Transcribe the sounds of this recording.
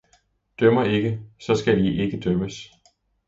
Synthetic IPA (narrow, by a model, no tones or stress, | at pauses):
d̥œmɐe̝ɡ̥əsɒ̽sɡ̥ædiʔe̝ɡ̥əd̥œməs